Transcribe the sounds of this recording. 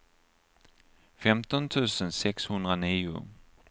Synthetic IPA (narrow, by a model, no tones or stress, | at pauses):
fɛmt̪ɔnt̪ʰʉ̟ːsənsɛkshɵnd̪ɾaniːʊ̰